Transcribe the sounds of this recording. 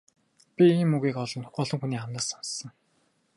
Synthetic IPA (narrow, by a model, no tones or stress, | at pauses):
pʲiiːmɵɣiːkɔɮɞ̆nt̪ʰʊ̥χɔːɮɞ̆ŋxuniːχamnaːsɔnsə̆ŋ